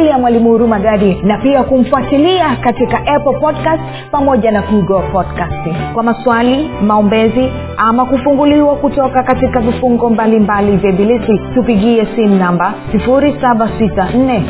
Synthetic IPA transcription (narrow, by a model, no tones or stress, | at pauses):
lijamwalimuhuɾumaɡaɾinapiakum̩fuatiliakatikaʔɛplpɔdkast | pamɔʄanakuiɡɔapɔdkastiŋkwamaswalimaɔmbɛzi | amakufuŋɡuliwakutɔkakatikavifuŋɡɔmbalimbalivjabilisitupiɠiɛsimunambasifuɾisaɓasitan̩nɛ